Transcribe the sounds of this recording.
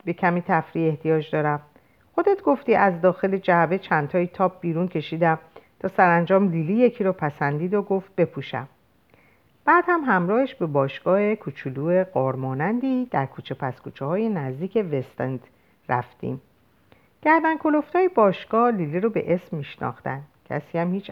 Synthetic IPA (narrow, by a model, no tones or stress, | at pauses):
be̞cʰæmiːt̪ʰæfɾiːe̞ht̪ʰijɒːd͡ʒd̪ɒːɾæm | xo̞d̪e̞t̪ɡo̞ft̪iːʔæzd̪ɒːxe̞led͡ʒæbe̞t͡ʃʰænt̪ʰɒːit̪ʰɒːp̚ʰb̥iːɾuncʰe̞ʃiːd̪æmt̪ʰɒːsæɾænd͡ʒɒːmlilije̞cʰiːɾɔpʰæsænd̪iːd̪oɡo̞ft̪̚be̞pʰuʃæ̰m | b̥æːd̪̥hæmɦæmɾɒːhe̞ʃbe̞bɒːʃɡ̥ɒːhe̞kʰut͡ʃʰuluːe̞ɢɒːɾmɒːnænd̪iːd̪̥æɾkʰuːt͡ʃʰepʰæskuːt͡ʃʰehɒːjenæzd̪iːcʰe̞vest̪end̪ | ræ̰ft̪ḭm | ɟ̥æɾd̪ænkʰo̞loft̪ʰɒːjibɒːʃɡ̥ɒːhliliɾobe̞̰ʔesmːiːʃnɒ̰ːxt̪æ̰nd̪̥cʰæ̰siːæmhiːt͡ʃʰ